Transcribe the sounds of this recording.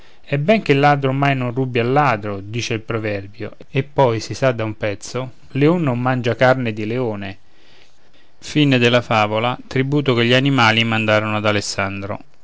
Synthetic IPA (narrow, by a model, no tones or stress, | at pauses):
ɛbːɛŋkelːaːd̪ɾomajnonrubialːaːd̪ɾod̪iːt͡ʃeilpɾovɛrbjo | epːɔjsisad̪ːaumpɛt̪so | leonːomːand͡ʒakarned̪ileoːne | fined̪elːafaːvolat̪ɾibuːt̪okeʎːianimaːlimand̪aːɾonoad̪alesːand̪ɾo̰